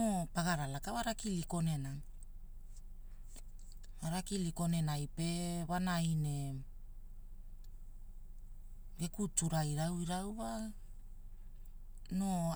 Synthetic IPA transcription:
opaɡaɾalakawaɾakiliko̞ne̞na | aɾakiliko̞ne̞najpe̞βanajne̞ | ɡe̞kutuɾajɾawiɾawa | no

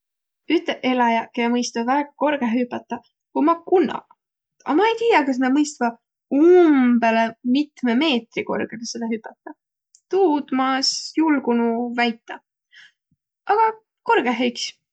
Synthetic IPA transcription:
yt̪ːˑeʔe̞lɑjɑkejɑmɤjst̪ɑvæɡ̥ɑko̞rɡ̥eypɑt̪ːˑɑ | kumɑkunːɑ̰ | ɑ̰mɑejt̪iːjɑkɑs̬nɑmɤjst̪vɑ | umb̥e̞lemit̪meme̞ːt̪riko̞̰rɡ̥elesed̪̥ɑɦypːɑt̪ˑːɑ | t̪uːd̪̥mɑsjulɡunuvæjt̪ːˑɑ | ʔɑɡ̥ɑ | ko̞rɡ̥eɦejks

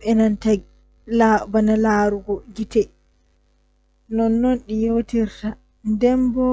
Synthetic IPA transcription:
ɛnantaɡ | labanalaɾuɡɔɡitɛ | nɔnːɔnɗijotiɾta | ndɛmbɔ

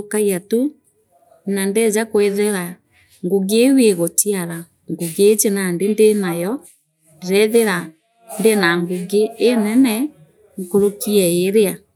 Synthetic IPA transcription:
okaiatu | nandɛzakweðeɾa | ŋɡuɡeweɣotiaɾa | ŋɡoɡeːt͡ʃenandendenajɔ | d͡ʒɛðeɾa | ndenaŋɡuɡeːnɛnɛ | ŋkoɾokiɛeɾea

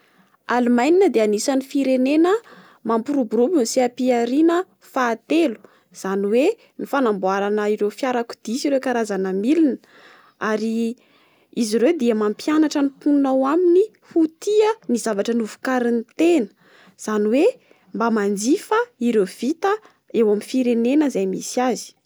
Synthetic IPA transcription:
alumajninəd̪eanisanifiɾenenə | mampuɾubuɾubunisiapiaɾinə | faːt̪elu̥ | z̥aniwe | nifanambuaɾanəiɾewfjaɾaku̥d̪̥isiɾekaɾazanəmilinə̥ | aɾi | iziɾewd̪iamampjanaʈ͡ʂənipunnawamini | hut̪iənizavaʈ͡ʂənuvu̥kaɾint̪enə̥ | z̥aniwe | mbamand͡zifəiɾewv̥it̪ə | ewaminfiɾenenəzajmḭsiazi̥

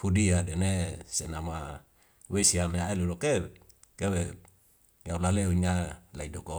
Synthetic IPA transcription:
hudiadenesenama | wesiameaeluloke | kewe | jaulaleuɲalaidoko

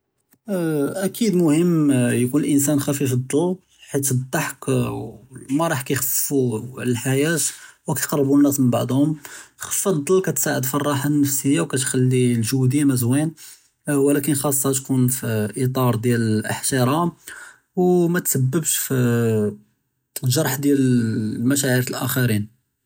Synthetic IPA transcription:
ʔækʰid̪mʊhəmːjkunəlʔəns̬ænxæfifəd̪ˤːɑl | ħit̪d̪ˤːɑħk | mæɾˤɑħkæjxəfːuʕləlħajæt̪wkæt̪qɑrˤːbunːæsmənba̰ʕd̪hʊmxəfɑd̪ˤːəlːkæt̪saʕəd̪fɑrˤːɑħanːəfsəjːawkæt̪xælːilʒud̪əjmæzwin | wlækənxɑsˤːɑt̪kunfiʔit̪ˤɑɾˤd̪jællʔə̰ħt̪eɾˤɑm | wmæt̪səbːəbʃfi | ʒɑɾˤħd̪jælmæʃæʕiɾlʔæ̰xæɾin

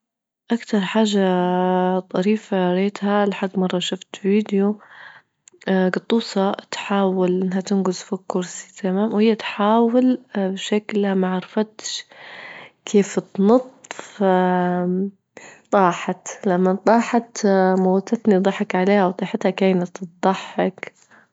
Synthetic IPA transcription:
ʔakt̪ɑɾˤħaːʒːa | t̪ˤɑɾiːfaɾeːt̪halaħaɡːmɑrˤːɑʃʊft̪viːd̪jo | ɡɑt̪ˤːuːshɑt̪ħaːwalʔɪnːɦat̪ɪnɡʊzfikːʊɾsi̥t̪ʰamaːmwhɪjːat̪ħaːwɪlbʃaklamaʕɑɾˤɑfat̪ʃ | kʰeːft̪nɑt̪ˤːfa | t̪ˤɑːħɑt̪lamːat̪ˤɑːħɑt̪mowt̪at̪nid̪ˤɑħːɑkʕaleːhawt̪ˤɑːħɪt̪hakaːnat̪td̪ˤɑħːɑk

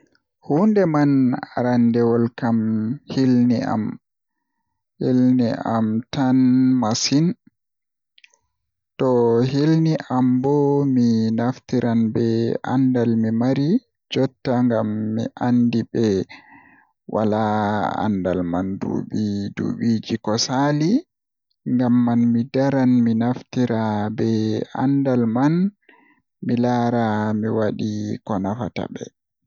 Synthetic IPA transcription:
hundɛmanaɾandɛwɔlkamhilnia̰m | hilniʔamtanmasin | tɔɦilniʔambɔminaftiɾʔanbɛʔa̰ndalmimaɾi | d͡ʒɔtːaŋɡamːḭʔandibɛ | wa̰laa̰ndalmandṵɓidṵɓid͡ʒikɔsali | ŋɡamːanmidaɾanminaftiɾʔabɛa̰ndalman | milaːɾamiwaɗikɔnafa̰ta̰bɛ̰

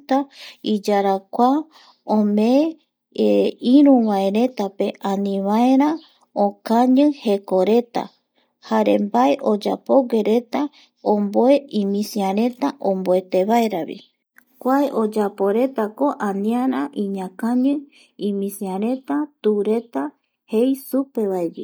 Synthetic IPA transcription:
t̪aid͡ʒaɾakʷa | õme | iɾũβaeɾe̞t̪ape̞ʔanĩβaeɾa | okaɲɨ̃he̞ko̞ɾe̞t̪a̰ | haɾḛmbaeʔod͡ʒa̰po̞ɡe̞ɾe̞t̪a | omboe̞imĩsiaɾe̞t̪aʔõmboet̪e̞βaeɾaβḭ | kʷaeʔod͡ʒapo̞ɾe̞t̪ako̞ʔanĩaɾaʔĩɲãkaɲɨ | ĩmĩsiaɾe̞t̪at̪uɾe̞t̪a | hejsupe̞βaed͡ʒɨ

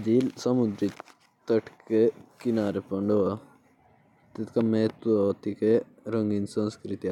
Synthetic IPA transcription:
d͡ʒ̪ilsɐmud̪ɾi | t̪ɐʈʰkekinaːɾepɐɳɖoa | t̪it̪kameːt̪at̪ike | ɾɐŋɡinsɐ̃nskɾit̪ia

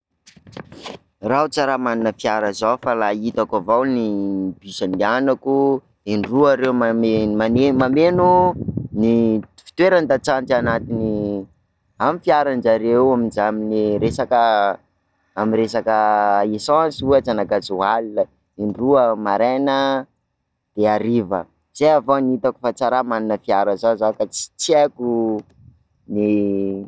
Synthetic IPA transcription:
raɦut͡saɾamaninəfiaɾəzawfalait̪akavawnibisənianaku | enruaɾewmaemanemamenunifi̥t̪weɾand̪at͡sant̪anat̪ini | amifjaɾand͡ʒaɾewaminzamineɾesakə | amiɾesakəesɔ̃suet͡sanakad͡zualilə | iɳɖ͡ʐuəmaɾenə | d̪̥eaɾivə̰ | z̥eavonit̪aku̥fat͡saɾamaninəfiaɾəzazakat͡si̥t͡seku | ni

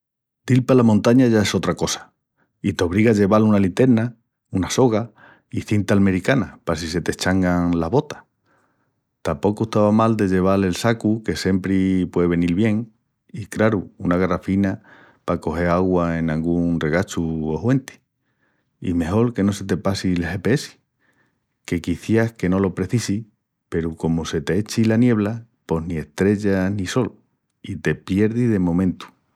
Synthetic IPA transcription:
d̪̥ilpalamõnt̪aɲaʝae̞so̞t̪ɾako̞sḁ | it̪o̞β̞ɾiɣaʝe̞βalunalint̪e̞ɾna | unaso̞ɣa | iθint̪alme̞ɾikanapas̬ise̞t̪eht͡ʃaŋɡaŋlaβo̞t̪ḁ | t̪ampo̞koueht̪aβamald̪eʝe̞β̞ale̞lsakuke̞se̞mpɾipwe̞ðeβe̞nilβje̞ŋ | ikɾaɾuunaɣarafina | pako̞he̞ɾaɣwae̞naŋɡuŋrre̞ɣat͡ʃuohwe̞nt̪i̥ | ḭme̞ɦo̞ɾke̞no̞se̞t̪e̞pasilhe̞peesi̥ | ke̞kiθjahke̞no̞lo̞pɾe̞θisi | pe̞ɾuko̞mose̞t̪e̞et͡ʃilanje̞β̞lapo̞ɦnie̞ht̪ɾe̞ʎaniso̞l | it̪e̞pje̞ɾðiðe̞mõ̞mẽnt̪u̥

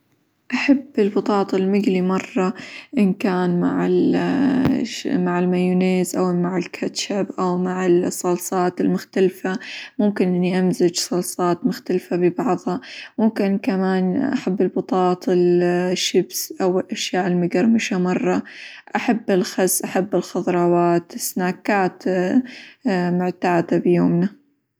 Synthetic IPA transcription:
ʔaħabːɪlbɑt̪ˤɑːt̪ˤɪlmɪɡlimɑrˤːɑʔɪnkaːnma̰ʕɪ̰l | maʕɪlmajuneːzʔawmaʕɪlkʰat̪ʃabʔawmaʕɪlsˤːɑlsˤɑːt̪ɪlmʊxt̪alfamʊmkɪnʔɪnːiʔamzɪd͡ʒsˤɑlsˤɑːt̪mʊxt̪alfabɪbɑʕðˤhɑmʊmkɪnkamaːnʔa̰ħabːɪlbɑt̪ˤɑːt̪ˤɪlʃːɪbsʔawɪlʔaʃjaːʔɪlmʊɡɑɾˤmɪʃamɑrˤːɑʔaħabːɪlxɑzːʔaħabːɪlxɑðˤɾˤɑːwaːt̪ɪsnaːkaːt̪ | mʊʕt̪aːd̪abjoːmna

